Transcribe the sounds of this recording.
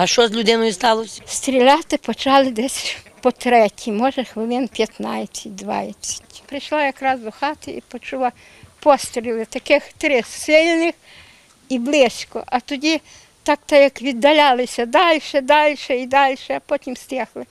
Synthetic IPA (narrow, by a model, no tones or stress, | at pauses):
ɐʃt͡ʃɔzʲlʲʊd̪ɪnɔjʊst̪ɑlˠɔsʲst̪ɾʲilʲat̪ɪpɔt͡ʃɑlˠɪd̪ɛsʲpɔt̪ɾɛtʲʰimɔʒɐxʋɪlˠɪnpʲjɐt̪nɑjt͡sʲːɐt̚ʲd̪ʋɑ̰jɐt͡sʲːɐ̥tʲpɾɪʃlˠajɐkɾɑzd̪ɔxɑt̪ɪḭpɔt͡ʃulˠa | pɔst̪ɾʲilˠɪt̪ɐkɪxt̪ɾɪssɪlʲnɪx | iblˠɪsʲkɔ̰ʔɐt̪ɔdʲi | t̪ɑkt̪ɐjɐkʋʲid̪ːɐlʲalˠɪsʲɐd̪ɑlʲʃɛd̪ɑlʲʃɛid̪ɑlʲʃɛɐpɔtʲimsʲt̪ʲɛxlˠɪ